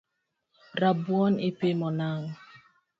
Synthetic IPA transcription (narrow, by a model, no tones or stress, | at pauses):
ɾabuɔnipemɔnaŋ